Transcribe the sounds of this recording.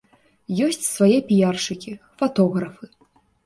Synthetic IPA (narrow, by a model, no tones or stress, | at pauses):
jɔsʲt͡sʲsvajɛpʲijarʂɨkʲi | fat̪ɔɣɾɐfɨ